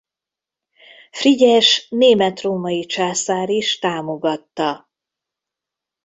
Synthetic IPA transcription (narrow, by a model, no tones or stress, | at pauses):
friɟɛʃneːmɛt̪roːmɒjit͡ʃaːsaːɾiʃt̪aːmo̞ɡɒt̪ːɒ